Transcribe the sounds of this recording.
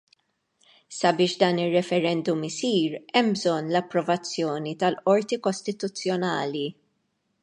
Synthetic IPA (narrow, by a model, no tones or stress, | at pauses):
sɐbɪːʃd̪ɐːnɪrːɛfɛɾɛnd̪ʊmɪsiːɾɛmbzɔnːlɐpːɾɔvɐt͡sːjɔːnit̪ɐlɔɾt̪ikɔst̪ɪt̪ut͡sːjɔnɐːli